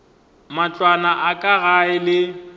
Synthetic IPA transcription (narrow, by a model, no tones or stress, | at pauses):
mat͡ɬʼwanaʔakʼaɣaɪlɪ